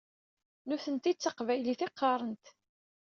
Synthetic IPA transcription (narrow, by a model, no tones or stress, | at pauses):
nʊθənt̪it͡sːəqvæjliθɪqːɑɾˤənt̪